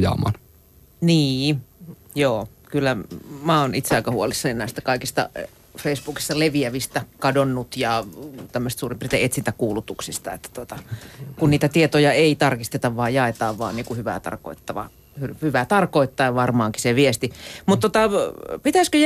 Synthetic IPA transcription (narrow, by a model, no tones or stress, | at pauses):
jɑ̰mɑ̰n | niː | joː | kylːæmæːonit̪seɑikɑhuolisːɑninæˑist̪ækɑikist̪ɑ̰ | feisb̥uːki̥st̪ɑleʋiæʋist̪ækɑdonːut̪jɑt̪æmːøst̪suːrimpirit̪æet̪sint̪ækuːlut̪uksist̪ɑḛt̪ːæ̥t̪uot̪ɑkunniːt̪æt̪iet̪ojɑeit̪ɑrkist̪et̪ɑʋʋɑːjɑet̪ɑːʋʋɑ̰ːnniːkuhyʋæ̰t̪ɑ̰rko̰it̪ːɑʋɑ̰ | hyhyʋæt̪ɑrkoit̪ːɑiʋɑrmɑːŋki̥seʋiest̪imut̪t̪ːot̪ɑpit̪æskøj